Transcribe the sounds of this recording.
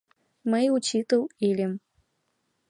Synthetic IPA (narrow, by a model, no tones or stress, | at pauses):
mɨut͡ɕit̪ɨwilʲim